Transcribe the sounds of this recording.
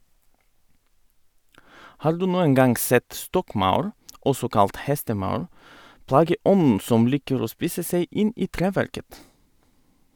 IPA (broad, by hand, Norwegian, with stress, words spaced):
ˈhɑːɾ ˈdʉː ˈnuːəŋ ˈɡɑŋɡ ˈsɛt ˈstɔkˌmɑʉɾ ˈɔsɔ ˈkɑlt ˈhɛstəˌmɑʉɾ ˈplɑːɡəˌʔɔnn̩ ˈsɔm ˈliːkəɾ ˈoː ˈspiːsə ˈseɪ ˈʔɪn ˈʔiː ˈtɾeːˌʋæɾkət